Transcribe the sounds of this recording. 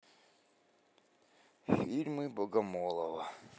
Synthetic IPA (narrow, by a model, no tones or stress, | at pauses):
fʲilʲmɨbɔɡɐmɔlˠɐʋɐ